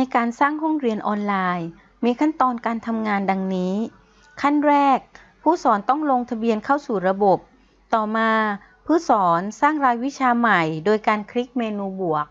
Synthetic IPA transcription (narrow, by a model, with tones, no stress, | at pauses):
na˧jkaː˧nsaː˥˩ŋɦo˥˩ŋɾi˧ənʔɔː˧nlaː˧j | miː˧kʰa˥˩nt̪ɔː˧nkaː˧nt̪ʰa˧mŋaː˧nda˧ŋniː˦˥ | kʰa˥˩nɾɛː˥˩k̚ | pʰuː˥˩sɔː˩˦nt̪ɔ˥˩ŋlo˧ŋt̪ʰa˧bi˧ənkʰa˥˩wsuː˨˩ɾa˧bo˨˩p̚ | t̪ɔː˨˩maː˧ | pʰɯ˥˩sɔː˩˦nsaː˥˩ŋɾaː˧jwi˦˥t͡ɕʰaː˧ma˨˩jdoː˧jkaː˧nkʰɾi˦˥k̚meː˧nuː˧bu˨˩ək̚